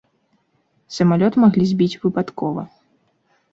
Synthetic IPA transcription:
sɐmalʲɔt̪ɨmaɣlʲizʲbʲit͡sʲvɨpat̪kɔvɐ

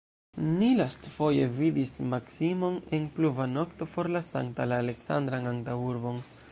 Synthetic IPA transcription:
nilastfo̞je̞vidismaksimo̞ne̞npluvano̞kto̞po̞ɾlasa̰ŋtalaːle̞ksa̰nd̪ɾaŋaŋtauɾbo̞n

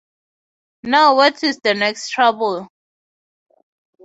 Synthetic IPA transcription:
naʊwɔtisdənɛkstʰɹabəl

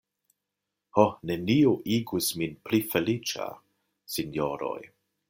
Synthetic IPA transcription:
honeniuʔiɡusminplifelit͡ʃa̰ | sinjoɾo̞̰j

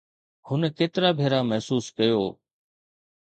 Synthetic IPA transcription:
hʊnkeːt̪ɪɾaːbʱeːɾaːmɐɦsuːskəjoː

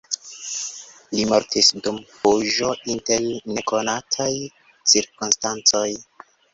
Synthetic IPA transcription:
limoɾtisdumpoʒo̞ʔinte̞ɾne̞ko̞natʰaj | t͡siɾkunstant͡so̞j

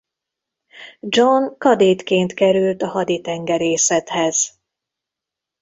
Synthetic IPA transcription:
d͡ʒonkɒd̪eːt̪keːnt̪kɛɾylt̪ɒhɒd̪it̪ɛŋɡɛɾeːsɛt̪hɛz̥

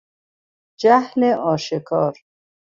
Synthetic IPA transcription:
d͡ʒahleʔɔːʃekʰɔːɾ

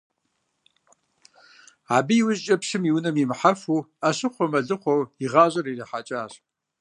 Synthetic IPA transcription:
aːbijwʊʑt͡ʃʼɐpʂɪmiwnɐmimħafuːaɕɨqʷɔmɐɮɨqʷɔwiʁɑːʑʼɐrirɐħat͡ʃʼaːɕ

